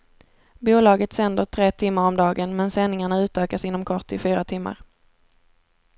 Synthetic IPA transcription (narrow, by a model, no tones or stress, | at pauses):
buːlɑːɡət̪sɛnd̪əʈʰɾeːt̪ʰɪmːaɾɔmd̪ɑːɡənmɛnsɛnːɪŋaɳaʉ̟ːt̪øːkasɪn̪ːɔmkʰɔʈɪfyːɾat̪ʰɪmːa̰ɾ